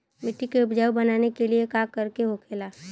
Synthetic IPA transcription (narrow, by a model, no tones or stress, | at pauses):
mɪʈːikeʊpd͡ʒaʋbɐnaːnekeliekaːkəɾkeɦokʰeːlaː